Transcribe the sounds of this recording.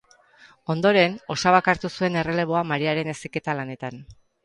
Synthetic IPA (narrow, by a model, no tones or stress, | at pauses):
o̞nd̪o̞ɾe̞no̞saβakaɾt̪usue̞ne̞re̞le̞β̞o̞amaɾiaɾe̞ne̞sike̞t̪alane̞t̪an